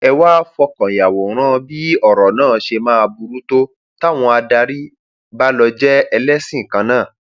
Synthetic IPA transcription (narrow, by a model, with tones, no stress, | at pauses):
ɛ˧wa˦fɔ˧kɔ̃˨ja˨wɔ˨ɾ̃ã˦˧bi˦ɔ˦˨ɾɔ˨nãː˦˨˦ʃe˧mãː˦˧bu˧ɾu˦to˦ | ta˦˨w̃ɔ̃˧a˧da˧ɾi˦ | ba˦lɔ˧d͡ʒɛ˦ɛ˧lɛ˦sĩ˦˨kã˧nãː˦˨